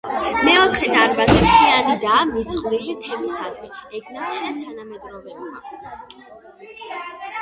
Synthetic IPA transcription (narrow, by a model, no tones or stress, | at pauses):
mɛɔt̪ʰχɛd̪aɾbazɛt̪ʰianad̪amit̪sʼχʼɾiʁit̪ʰɛmisad̪vɛɛkʰnat̪ʼɛɾat̪ʰːanamɛd̪ɾɔbɛbi